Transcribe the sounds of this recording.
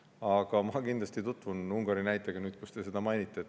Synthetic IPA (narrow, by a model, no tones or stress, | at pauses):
ɑɡ̥ɑmɑkind̪lɑst̪it̪ut̪ːˑvunuŋɡ̥ɑɾinæjt̪ːˑeɡ̥ɑnyːd̪̥̚kust̪e̞se̞d̪̥ɑmɑjnʲit̪ˑːe